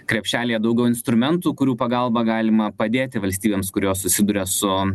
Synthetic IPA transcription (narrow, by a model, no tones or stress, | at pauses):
kɾʲɛpʲʃʲtʲæːlʲijɛd̪ɐʊɡʲɛʊɪnst̪ɾʊmʲɛnt̪uːkʊɾʲuːpɐɡɐlˠbɑɡɑːlʲɪmɐpɐd̪ʲeːt̪ʲɪʋɐlʲst̪ʲiːbʲeːmskʊɾʲoːssʊsʲɪd̪ʊɾʲɛsʊ